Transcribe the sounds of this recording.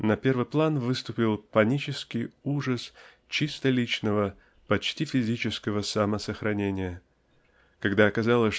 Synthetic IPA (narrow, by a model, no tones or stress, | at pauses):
nɐpʲe̞rvɨjplˠanvɨst̪ʊpʲɪlˠpɐnʲit͡ɕɪskʲɪjuʐəs | t͡ɕist̪əlʲit͡ɕnəvə | pɐt͡ɕtʲifʲɪzʲit͡ɕɪskəvəsɐməsəxɾʔɐnʲenʲɪjə | kɐɡd̪aɐkɐzalˠəsʲ